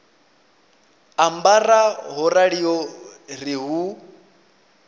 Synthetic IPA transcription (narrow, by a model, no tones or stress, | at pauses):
ambaraɦɔɾaɺijɔriɦu